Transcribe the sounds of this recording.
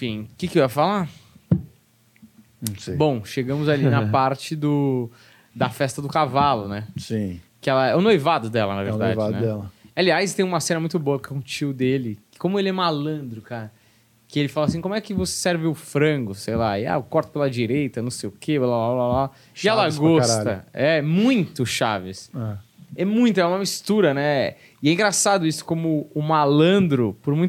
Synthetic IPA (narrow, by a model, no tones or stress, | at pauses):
fĩkɪkɪewɛʊfala | ñsejbõw̃ʃeɡɐ̃mʊzalinɐpaɾt͡ʃɪd̪ʊ | d̪ɐfɛst̪ɐd̪ʊkavalʊnɛsĩ | kɪɛlɐɛʊnojvad̪ʊd̪ɛlɐnɐvḛɾdavd͡ʒadnɛɛlɐaliajst̪ẽj̃ũmɐsẽnɐmũj̃t̪ʊboɐkɛũʊt͡ʃiʊd̪elɪkɪ̥kõmʊelɪɛmalɐ̃d̪ɾʊkaɾɐ | kɪelɪfalɐasĩkõmʊɛkɪvose̥sɛɾvɪʊfɾɐ̃ɡʊsejlaɪa̰ʊkɔɾt̪ɐ̥pelɐd͡ʒiɾejt̪ɐnɐ̃w̃sejʊkʰeelabablabla | ɪɛlɐɡɔsat̪ɐ̰ɛmũj̃t̪ʊʃa̰vɪsɛ | ɛmũj̃t̪ʊɛũmɐmist̪uɾɐnɛɛ | ɪɛĩŋɡɾasad̪ʊisʊ̥kõmʊːmalɐ̃nd̪ɾʊpʊɾmũj̪̃